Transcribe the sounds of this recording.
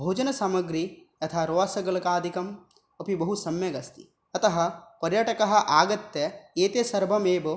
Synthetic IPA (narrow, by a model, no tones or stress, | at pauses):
bʱoːd͡ʒɐnɐsaːmɐɡɾi | ɐt̪ʰaːɾoːʋasɐɡɐlɐkaːd̪ʱikɐm | ɐpibɐɦusɐmjɐɡɐst̪i̥ | ɐt̪ɐɦɐ̆pɐɾjɐʈɐkɐɦɐ̆ʔaːɡɐt̪ːɐeːt̪esɐɾbʱɐmeːbo